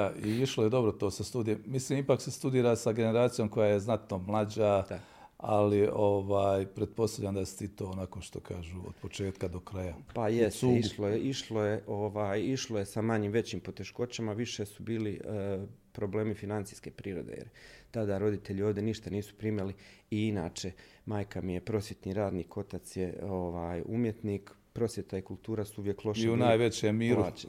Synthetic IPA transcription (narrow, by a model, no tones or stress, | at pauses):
aiiʃlojed̪o̞bɾot̪o̞ːsast̪ud̪ijemisliːmipaːksest̪ud̪iːɾasaɡe̞ne̞ɾaːt̪sijomko̞jajeznat̪no̞mlˠad͡ʑad̪a | alioʋaːjpɾed̪̚po̞st̪avʎand̪asi̥t̪it̪oːonakoʃt̪o̞kʰaːʒuo̰d̪pot͡ʃe̞ːt̪kad̪o̞kɾajapajest̪ːiʃlojeʔiʃloje̞ʔo̞ʋaːjiʃloje̞samaɲimʋe̞t͡ɕiːmpo̞t̪e̞ʃko̞t͡ɕamaʋiʃe̞subiːli | pɾo̞ble̞ːmifinant̪i̥jske̞ːpɾiːɾo̞̰d̪ḛjḛɾt̪ad̪aɾo̞d̪it̪eʎioʋd̪je̞niʃt̪aniːsu̥pɾiːmjaliiina̰ːt͡ʃe̞ | maːjkamije̞pɾo̞sje̞t̪niɾaːd̪niːkʰo̞t̪at̪sje̞oʋaːjumjet̪niːkpɾo̞sje̞t̪aikulˠt̪uːɾasuuʋjeklˠo̞ʃiunaːjʋet͡ɕeːmmiːɾluaːt͡ʃe